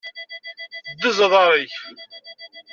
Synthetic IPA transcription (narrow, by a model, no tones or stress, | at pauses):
d̪ːəzəðˤɑɾˤiç